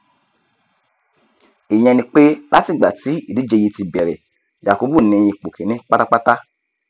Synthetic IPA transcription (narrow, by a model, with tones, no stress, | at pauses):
e˨j̃ɛ̃˧nĩ˧k͡pe˦la˦ti˦˨ɡ͡ba˨ti˨˦i˦˨di˨˦d͡ʒe˧ji˧ti˧bɛ˨ɾɛ̰˨ | d͡ʒa˨ko˨˦bu˦˨nĩ˧j̃ĩ˧k͡po˨kʰe˨nĩ˦k͡pa˦ta˦k͡pa˦ta˦